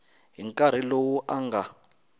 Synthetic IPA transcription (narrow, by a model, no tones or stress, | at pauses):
ɦiŋkʼaɾ̤ilowuʔaŋɡa